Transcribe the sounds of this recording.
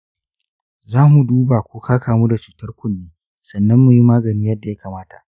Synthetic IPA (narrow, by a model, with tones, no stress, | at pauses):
zaː˦mu˨duː˦baː˨kʷuː˦kaː˦kaː˨mu˦da˨t͡ʃuː˨tɐ˦rkʷʊ˦nːeː˦ | sɐ˨nːɐ˦mːu˨ji˦maː˦ɡɐ˨niː˦jɐ˦dːa˨ja˦kaː˨maː˦ta˨ʔ